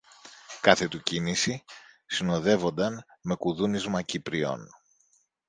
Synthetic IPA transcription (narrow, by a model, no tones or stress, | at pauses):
kɐθe̞t̪ucinisisino̞ðe̞vo̞nd̪ɐnme̞kuðunizmɐcipɾio̞̰n